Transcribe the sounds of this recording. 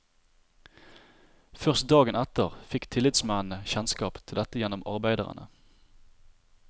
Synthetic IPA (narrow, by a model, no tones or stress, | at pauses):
fœʁst̪̚d̪ɑːɡənɛt̪əʁfɪkt̪ʰɪlɪt̪smæːnəçɛnskɑːpt̪ʰɪld̪ɛt̪əjɛnɔmɑ̰ʁbæɪd̪ə̰ʁə̰nə̰